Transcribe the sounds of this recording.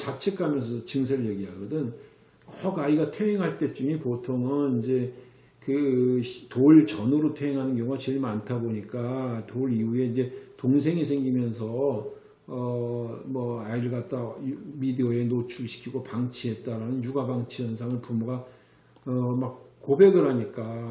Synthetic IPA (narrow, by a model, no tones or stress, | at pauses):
t͡ɕat͡ɕʰekʰamjʌns̬ʰʌt͡ɕɯŋs̬ʰeɾɯɭje̞ɡiaɡʌdɯn | ʌɡaiɡatʰe̞ɦeŋɦaɭt͈e̞t͡ɕ͈umipotʰoŋɯnind͡ʑe̞ | kɯtoɭt͡ɕʌnoɾotʰeeŋɦanɯnɡjʌŋuɡat͡ɕeɭmantʰaboɲik͈atoɾiɦue̞ind͡ʑe̞toŋs̬ʰeŋis̬ʰeŋɡimjʌns̬ʰʌ | ʌmʌaiɾɯɭɡat̚t͈ajumideoe̞not͡ɕʰuɕʰi̥kʰiɡopaŋt͡ɕʰiɦe̞t̚t͈aɾanɯnjuɡabaŋt͡ɕʰijʌnsʰaŋɯɭpumuɡa | ʌmak̚kobe̞ɡɯɾɦaɲik͈a